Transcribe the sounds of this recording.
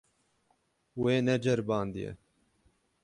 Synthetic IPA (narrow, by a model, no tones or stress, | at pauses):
weːnɛd͡ʒɛɾbɑːnd̪ijɛ̰